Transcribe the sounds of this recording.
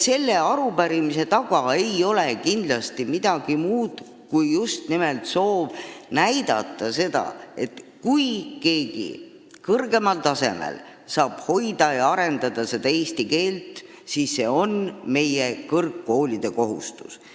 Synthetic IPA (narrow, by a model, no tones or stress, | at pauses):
se̞lːe̞ɑɾupæɾimise̞t̪ɑɡ̥ɑe̞jo̞le̞kind̪lɑst̪imid̪̥ɑɡ̥imuːd̪̥ | kujːust̪nimelt̪so̞ːb̥næjd̪ɑ̰t̪ːˑɑse̞d̪̥ɑ̰e̞t̪kujke̞ːɡ̥ḭ | kɤrɡ̥e̞mɑlt̪ɑse̞̰mḛl | sɑːb̥ho̞jd̪̥ɑjɑɑɾe̞nd̪ɑd̪̥ɑse̞d̪ɑeːst̪ike̞ːlt̪ˑ | siːsːe̞o̞nme̞jekɤrkːo̞ːlʲid̪̥e̞ko̞ɦṵst̪u̥s